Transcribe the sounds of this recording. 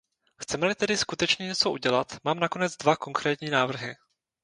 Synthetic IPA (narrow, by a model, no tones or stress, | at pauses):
xt͡sɛmɛlɪt̪ɛdɪskut̪ɛt͡ʃɲɛɲɛt͡soʔuɟɛlat̪maːmnako̞nɛd͡zdvako̞ŋkɾɛːt̪ɲiːnaːvr̩ɦɪ